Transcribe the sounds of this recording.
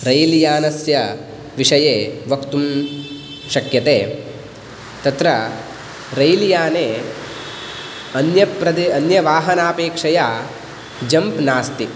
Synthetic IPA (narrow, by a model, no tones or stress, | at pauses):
ɾɐjlijaːnɐsjɐ | ʋiʂɐjeːʋɐkt̪um | ʃɐkjɐt̪eː | t̪ɐt̪ɾɐ | ɾɐjlijaːneː | ɐnjɐpɾɐd̪iɐnjɐʋaːɦɐnaːpeːkʂɐjaː | d͡ʒɐmpnaːst̪i